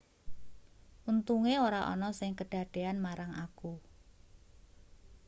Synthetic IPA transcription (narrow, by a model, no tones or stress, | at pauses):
ʔunt̪uŋeoɾaʔɔ̰nɔsɪŋkəɖ̥a̤ɖ̪̥e̤anmaɾaŋaku